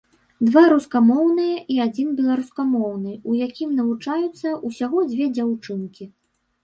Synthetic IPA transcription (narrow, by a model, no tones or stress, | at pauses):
d̪vaɾuskamɔwnɨjɐʔiad͡zʲinbʲɛlˠaɾuskamɔwnɨujakʲimnɐvut͡ʂajut̪sːɐʔusʲaɣɔd͡zʲvʲɛd͡zʲawt͡ʂɨnkʲi